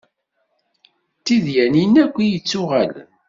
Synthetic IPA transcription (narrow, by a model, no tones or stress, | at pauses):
t̪ːiðjæninækʷːijət͡sːʊʁæl